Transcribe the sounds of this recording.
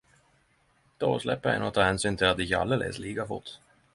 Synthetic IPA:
d̪̥oslɛpːəɾɛ̰nat̪ʰːɑːhɛnsyːnt̪ʰɪlat̪d̪ɪçəa̰ld̪elɛ̰sliːkafʊ̰t̪ː

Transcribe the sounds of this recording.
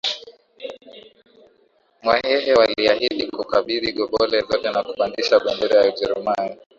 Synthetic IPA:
mwahɛɦɛwaliahiɗikukaɓiðiɠɔɓɔlɛzɔtɛnakupandiʃaɓandɛɾɛjauʄɛɾumani

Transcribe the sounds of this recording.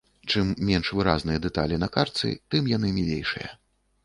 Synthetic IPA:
t͡ʂɨmːʲɛnʂvɨɾaznɨjɐd̪ɛt̪a̰lʲinɐkart̪sɨ̰t̪ɨmjan̪ɨmʲilʲejʂɨ̰jɐ̰

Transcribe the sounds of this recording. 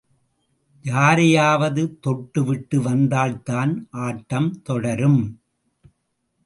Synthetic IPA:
d͡ʒaːɾɪjaːʋɐðɯt̪ɔʈːɯʋɪʈːɯʋɐnd̪aːɭt̪aːnʔaːʈːɐmt̪ɔɽɐɾɯm

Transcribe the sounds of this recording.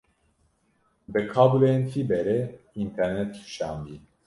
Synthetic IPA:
bɨkʰaːbulenfʰibɛɾɛint̪ʰɛɾnɛt̪̚kʰu̥ʃa̰ːnd̪i

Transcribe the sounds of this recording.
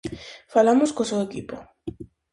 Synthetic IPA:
falamoskosewekipo

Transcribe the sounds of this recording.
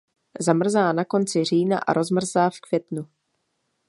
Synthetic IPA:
zamr̩zaːnako̞nt͡sɪr̝iːna̰ʔa̰ɾʔo̞zmr̩zaːfkvjɛt̪nu

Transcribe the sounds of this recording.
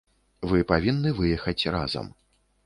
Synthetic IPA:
vɨpavʲinːɨvɨjɛxɐt͡sʲra̰zɐ̰m

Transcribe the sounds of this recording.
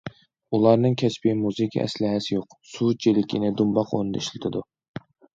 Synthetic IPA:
ulˠɑɾnɨŋkʲʰɛspɪmuzɨkʲʰḭʔɛ̰slɪɦɛsɪjoq | sut͡ʃʰelɪkʲʰinɪd̪umbɑqo̰nɨd̪ɑ̰iʃlɪt̪ʰɪd̪u

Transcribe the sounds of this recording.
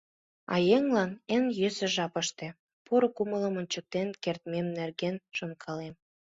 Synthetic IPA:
ɑ̰jeŋlɑnenjøsə̆ʒɑpə̆ʃt̪ĕ | poɾokumələ̆mə̆nʲt͡ɕək̚t̪enkert̪memnerɣenʃə̆nkʰɑlem

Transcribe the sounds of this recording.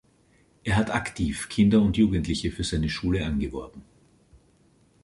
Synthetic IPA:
ʔeːɐɦataktʰiːfkʰɪndɐʊntjuːɡn̩tlɪçəfyːɐzaɪnəʃuːləʔanɡəvɔɐbm̩

